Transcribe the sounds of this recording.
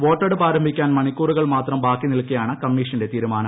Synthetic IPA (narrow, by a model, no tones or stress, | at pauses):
ʋo̞ːʈːɐɽɨpaːɾɐmbʱikʲːaːnmɐɳikʲːuːruɣɐɭmaːt̪rɐmbaːkːinilkːɐjaːɳɨkɐmːiːʂɐnde̞t̪iːɾumaːnɐm